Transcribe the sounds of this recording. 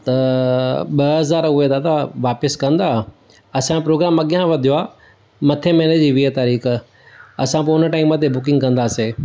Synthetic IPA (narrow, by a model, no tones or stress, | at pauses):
t̪ɐ | ɓɐɦɐzaːɾʊed̪aːd̪aʋaːpɪskɐ̃nd̪a | ɐsãpɾoːɡɾaːmːãɠɪjãʋɐd̪ʱijoaː | mɐt̪ʰemɛːned͡ʑiːʋiɦət̪aːɾiːx | ɐsãp̬oʊnəʈaːɪmːãt̪ʰebʊkɪ̃ŋɡkɐ̃nd̪aːseː